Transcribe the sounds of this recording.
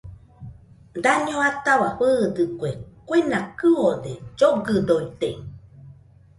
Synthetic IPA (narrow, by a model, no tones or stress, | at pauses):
d̪aɲõat̪aβaɸɨːd̪ɨkʷekʷenakɨod̪ed͡ʒoɡɨd̪oit̪ei